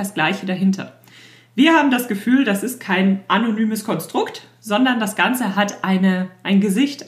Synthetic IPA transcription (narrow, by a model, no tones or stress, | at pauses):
asɡ̥laɪçədaɦɪntʰɐ̰ | viːɐhaːbm̩dasɡ̥əfyːldasɪst̚kʰaɪnʔanonyːməskʰɔnstʁ̥ʊkt | z̥ɔndɐndasɡ̥ant͡səɦatʔaɪnəʔaɪnɡəzɪçt